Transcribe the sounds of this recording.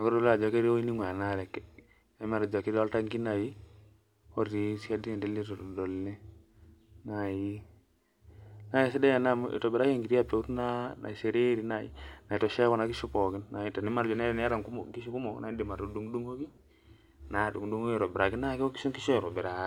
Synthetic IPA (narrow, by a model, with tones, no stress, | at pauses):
a˨kɔ˦do˦lːa˨d͡ʒɔ˨˦ke˦ɾi˦o˦i˦ni˦ŋʷ˨a˨na˦le˨k | ma˨ɾd͡ʒa˨ki˦ɾo˦lta˦ŋki˦na˨ji˦ | o˦ɾi˨si˦a˦di˦e˨nde˦lːi˦to˨o˨do˨lːe˦ | na˨ji˦ | na˦ja˨si˦de˦ja˨na˦m̰˨to˨bɾa˦ki˦ŋɡi˨ɾi˦a˨pe˨u˦tna˦na̰˨i˨se˨ɾe˦ɾi˨na˨ḭ˦na˨i˨to˨ʃe˦kɔ˦na˨ki˦ʃu˦po˨ki˦nna˨ji˨to˨ni˦ma˨ɾd͡ʒo˨ne˦ɾn˦a˦ɾa˨ŋku˦m˨ki˦ʃu˦ku˦mo˨kna˨i˦di˨ma˨ɾo˨du˦ŋ˦du˦ŋo˦ki˦ | na˨du˨ŋdu˦ŋo˦i˦˨ɾo˨bi˨ɾa˨ki˦na˦ko˦ki̥˦o˦ki˦ʃo˦˨ɾo˨be˨ɾa˦